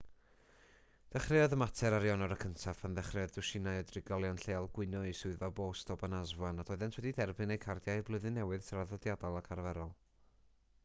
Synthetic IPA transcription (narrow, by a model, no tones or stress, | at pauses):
d̥ɛχrɪɔðəmatʰɛɾaɾjɔnɔɾəkʰəntʰafənðɛχrɪɔðdɨʃɪnajɔdrɪɡɔlˠjɔnɬeːalˠɡwɨnɔɨsʊɨðɔboːstʰɔbanazvwanad̥ɔɨðɛntʰwɛdidɛrbɨnejkʰardjajɨblˠɨðɨnːɛwɨð̥sʰəɾaðɔdjadalˠakʰarvɛɾɔlˠ